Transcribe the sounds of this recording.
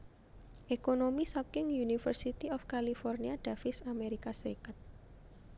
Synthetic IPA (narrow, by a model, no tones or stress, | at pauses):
ʔekonomisɔkɪŋjunifərsit̪iɔfkalifɔrniaɖ̪̥a̤fɪsameɾikasɾikat̪̚